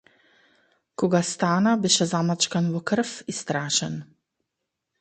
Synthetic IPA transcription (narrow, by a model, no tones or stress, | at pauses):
kɔɡast̪aːnabiʃɛzamat͡ʃkanvɔkəɾfist̪ɾaːʃən